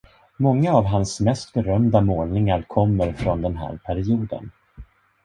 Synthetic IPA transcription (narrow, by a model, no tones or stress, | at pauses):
mɔŋːaːvɦansmɛst̪bɛɾœmd̪amoːlnɪŋaɾkʰɔmːəɾfɾɔnd̪ɛnɦæ̰ːɾpʰæɾɪuːd̪ə̰n